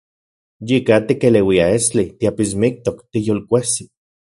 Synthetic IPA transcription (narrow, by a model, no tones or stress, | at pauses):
jikat̪ikelewiaest͡ɬit̪iapismik̚t̪okt̪ijoːlkʷesi